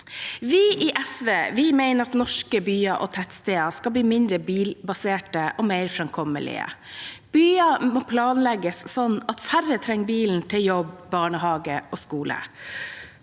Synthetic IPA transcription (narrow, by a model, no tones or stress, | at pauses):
ʋiːʔiːʔɛsʋeːʋɪːmæɪnəɾɑt̪nɔʂkəbyːɑʔoːt̪ʰɛt̪st̪eːɑskɑbliːmɪnd̪ɾəbiːlbɑseːʈəʔoːmeɪɾfɾɑmkʰɔmə̰lɪ̰ə̰b̥yːɑmoːpʰlɑːnlɛɡəssɔnːɑt̪fæɾət̪ʰɾɛŋːbiːln̩t̪ʰɪljɔbbɑːɳəhɑːɡəʔoːskuːlə̰